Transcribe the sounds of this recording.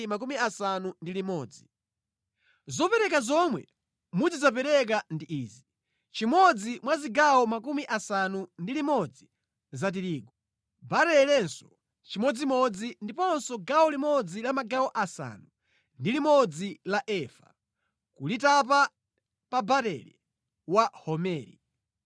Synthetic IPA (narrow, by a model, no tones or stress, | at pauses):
mak̬umiasanundilimɔːd͡zi | zɔpɛɾɛkazɔmwɛ̰ | mud͡zizap̬ɛɾɛk̬andiʔiːzi | t͡ʃimɔd͡zimwaziɡawɔmakumiʔasanundilimɔd͡zi | zat̬iɾiːkɔ | baɾɛlɛnsɔ̥ | t͡ʃimɔd͡zimɔd͡zindipɔnsɔɡawɔlimɔd͡zilamaɡawɔʔasa̰nu | ndilimɔd͡zilaʔɛfḁ̰ | kulitapa | pabaɾɛ̰lɛ | wahɔmɛːɾḭ